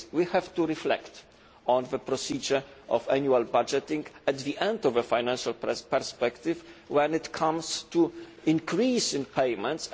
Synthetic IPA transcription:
wihɛvt̪uɾiflɛ̰kt̪ | ɔ̃nðəpɾɔsid͡ʒəɹʔɔvænjualbad͡ʒɛt̪ĩŋɡɛt̪ðiʔɛ̃nd̪ɔvəfajnãnʃalppɛɹspɛkt̪ɪvwɛ̃nɪt̪kʰãmst̪u | ĩnkɾisĩnpʰejmɛ̃nt̪s

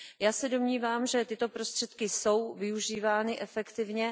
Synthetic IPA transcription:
jaːsɛdo̞mɲiːvaːmʒɛt̪ɪt̪o̞pɾo̞st̪r̝̥ɛt̪kɪso̞wvɪuʒiːvaːnɪʔɛfɛkt̪ɪvɲɛ

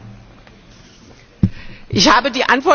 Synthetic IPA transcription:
ʔɪçhaːbədiːʔantv̥ɔɐ

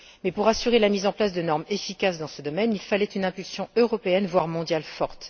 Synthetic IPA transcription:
mɛpuʁasyʁelamizɑ̃plasd̪ənɔʁmefikʲasd̪ɑ̃səd̪ɔmɛnilfalɛt̪ynɛ̃pylsjɔ̃øʁɔpeɛnvwaʁmɔ̃d̪jalfɔʁt̪

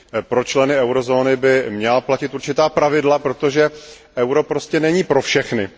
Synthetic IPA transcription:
pɾo̞t͡ʃlɛnɪɛwɾo̞zo̞ːnɪbɪmɲɛlaplacɪt̪uɾt͡ʃɪt̪aːpɾavɪdlapɾo̞t̪o̞ʒɛ | ʔɛwɾo̞pɾo̞scɛnɛɲiːpɾo̞fʃɛxnɪ

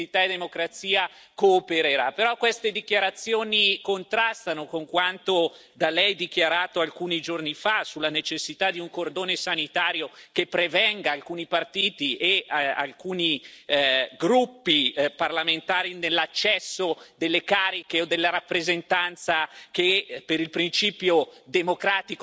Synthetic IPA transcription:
it̪aed̪emokɾat̪siːa | koːpeɾeɾapeɾɔkːwest̪ed̪ikjaɾat̪sːjoːnikont̪ɾast̪anokoŋkwant̪o | d̪alɛjd̪ik̟jaɾaːt̪oalkuːnid͡ʒornifasulːanet͡ʃesːit̪ad̪iuŋkord̪oːnesanit̪aːɾjokepːɾevɛŋɡaːlkuːnipart̪iːt̪iʔea̰lkuːni | ɡɾupːiparlament̪aːɾinelːat͡ʃːɛsːod̪elːekaːɾikeod̪elːeɾapːɾezent̪ant̪sakepeɾilpɾint͡ʃiːpjod̪emokɾaːt̪ik

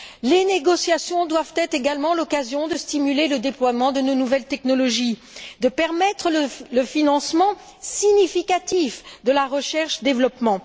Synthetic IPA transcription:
leneɡɔsjasjɔ̃d̪wavt̪ɛt̪χeɡalmɑ̃lɔkazjɔ̃d̪əst̪imyleləd̪eplwamɑ̃d̪ənonuvɛlt̪ɛknɔlɔʒi | d̪əpɛʁmɛt̪χələləfinɑ̃smɑ̃ | siɲifikat̪ifd̪əlaʁəʃɛʁʃd̪evlɔpmɑ̃

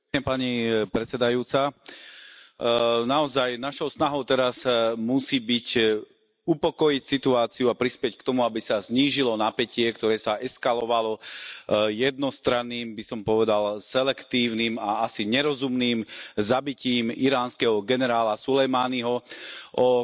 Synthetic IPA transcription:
ɲɛpaɲipɾɛt͡sɛd̪ajuːt͡sa | naɔzajnaʃɔʊsnaɦɔʊt̪ɛɾazmusiːbic | upɔkɔjicsit̪uaːt͡siuapɾispɪɛckt̪ɔmuabisazɲiːʒilɔnapɛcɪɛkt̪ɔɾɛːsaʔɛskalɔʋalɔ | jɛd̪̚nɔst̪ɾanːiːmbisɔmpɔʋɛd̪alsɛlɛkt̪iːʊniːmaasiɲɛɾɔzumniːmzabiciːmiɾaːnskɛɦɔɡɛnɛɾaːlasulɛjmaːniɦɔʔɔ

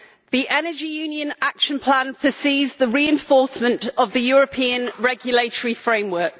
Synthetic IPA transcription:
ðiʔɛnəd͡ʒijʉːnjə̃nakʃə̃npʰl̥ãnfəsiːzðəɹiːɛ̃ɱfɔˑsmə̃ntəvðəjɔːɹəpʰĩːə̃nɹɛɡjəleɪtəɹifɹẽɪ̃mwɜˑk̚

